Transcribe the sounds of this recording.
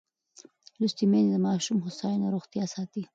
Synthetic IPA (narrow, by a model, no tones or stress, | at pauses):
lust̪imend̪əmɑʃumhʊsɑjunaɾoxt̪jɑsɑt̪i